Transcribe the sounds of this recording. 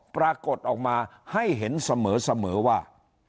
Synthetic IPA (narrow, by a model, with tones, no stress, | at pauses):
pɾaː˧ko˨˩t̪̚ʔɔː˨˩k̚maː˧ha˥˩jɦe˩˦nsa˧mɤː˩˦sa˧mɤː˩˦waː˥˩